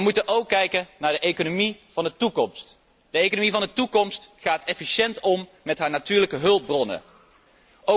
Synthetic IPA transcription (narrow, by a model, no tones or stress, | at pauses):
əmutənʔowkːɛjkənaːɹdəʔejkonomiv̥ɑndətukɔmst | d̥əejkonomivɑndətukɔmstχaːtɛfiʃɛntɔm | mɛtɦaːɹnatyːɹləkəɦɵlˠp̚brɔnə̰ | ʔo